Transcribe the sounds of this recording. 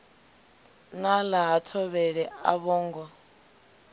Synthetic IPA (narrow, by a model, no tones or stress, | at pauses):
nalaɦatʰɔβɛɺɛa̰βɔːŋɡɔ